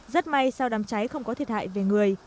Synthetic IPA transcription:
zə˦˥t̚ma˧jsaː˧wɗaː˨˩mt͡ɕa˨˦jxə˧wŋ͡mkɔ˨˦i˨˩ət̚ha̰ː˧˨jve˨˩ŋɨ˨˩əj

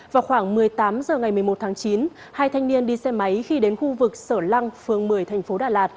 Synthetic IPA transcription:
vaː˨˩wxwaː˧˩ŋmɨ˨˩əjt̪aː˨˦mzəː˨˩ŋa˨˩jm˨əjmo˨˩t̚t̪ʰaː˨˦ŋt͡ɕi˨˦n | haː˧jt̪ʰa˧jŋ̟ni˧ənɗi˧sɛ˧ma˨˦jxi˧ɗe˨˦nxu˧vɨ˨˩k̚səː˧˩la˧ŋfɨ˨˩əŋmɨ˨˩əjt̪ʰɛ˨˩ŋ̟fo˨˦ɗaː˨˩laː˨˩t̚

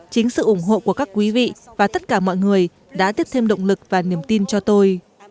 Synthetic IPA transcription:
t͡ɕï˨˦ŋ̟sɨ̰˧˨ʔʊ˧˩ŋ͡mɦo̰˧˨ku˧˩əkaː˦˥kːwi˨˦vḭ˧˨vaː˨˩t̪ə˦˥t̚kaː˧˩mɔ̰˧˨jŋɨ˨˩əj | ɗa̰ː˧˥t̪i˦˥əp̚t̪ʰe˧mɗə̰˧˨wŋ͡mlɨ˨˩k̚vaː˨˩ni˨˩əmt̪i˧nt͡ɕɔ˧t̪o˧j

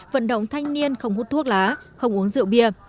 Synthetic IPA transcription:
və̰˧˨nɗə̰˧˨wŋ͡mt̪ʰa˧jŋ̟ni˧ənxə˧wŋ͡mhu˦˥t̪ʰu˦˥ək̚laː˨˦xə˧wŋ͡mʔu˨˦əŋzɨ̰˧˨əwɓi˧˩ə

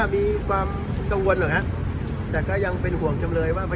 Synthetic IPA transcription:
miː˧kʰwaː˧m | ka˧ŋwo˧nlaː˨˩hʰa˦˥ʔ | t̪ɛː˨˩kɔː˥˩ja˧ŋpe˧nhu˨˩˦əŋt͡ɕa˧mɾɤː˧jwaː˥˩pʰa˧

